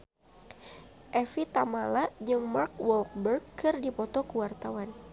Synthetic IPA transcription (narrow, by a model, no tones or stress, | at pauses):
ʔɛfit̪amalad͡ʒɨŋmarkwɔlk̚bərɡkɨrdipɔt̪ɔkuwart̪awan